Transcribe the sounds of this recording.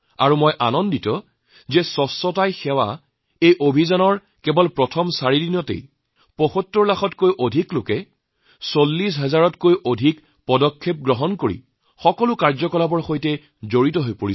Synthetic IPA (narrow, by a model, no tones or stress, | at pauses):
a̰ɹumojʔa̰nɔnditɔ | zɛsɔsɔtajxɛwa̰ | ejʔobʱizɔnɔɹ | kɛbɔlpɹɔtʰɔmsaɹidinɔtḛj | pɔxɔtːuɹlaxɔtkojʔodʱiklokɛ | solːis̬ɦɛzaɹɔtkojʔodʱik | pɔdɔkʰːep̚ɡɹɔɦɔnkoɹḭ | xɔkɔlʊkaɹzɔkɔlabɔɹxojtɛ | zoɹitɔɦojpoɹi